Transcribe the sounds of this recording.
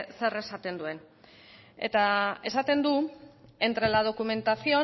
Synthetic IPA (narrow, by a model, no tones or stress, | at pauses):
se̞re̞sat̪e̞nd̪ue̞n | e̞̰t̪ae̞sat̪e̞nd̪ue̞nt̪ɾe̞lað̞o̞kume̞nt̪asio̞